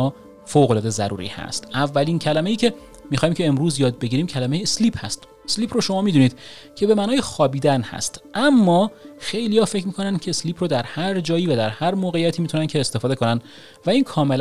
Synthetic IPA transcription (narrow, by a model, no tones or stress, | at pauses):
ɒː | foːɣo̞lɒːd̪e̞zæɾṵːɾḭːhæ̰st̪ʔævːæliːncʰælæme̞jiːcʰe̞ | mixɒːhiːmcʰe̞ːmɾuːzjɒːd̪̚be̞ɟiːɾiːmcʰælæme̞jesliːpʰhæ̰st̪ | esliːpʰɾoʃo̞mɒːmiːd̪uniːd̪̥ | cʰe̞bemænɒːjexɒːbiːd̪ænhæ̰st̪ʔæmːɒːxe̞jlijɒːfe̞cʰmiːkʰo̞nænd̪̥cʰe̞sliːpʰɾoːd̪æɾhæɾd͡ʒɒːjiːvæd̪æɾhæɾmoːɣejæt̪ʰiːmiːt̪ʰunænkcʰe̞ːst̪e̞fɒːd̪eko̞næn | væiːnkʰɒːme̞l